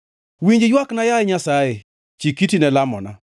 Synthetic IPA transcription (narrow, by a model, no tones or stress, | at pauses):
wiɲd͡ʒejwaknajajɪɲasaje | t͡ʃikitinɛlamɔna̰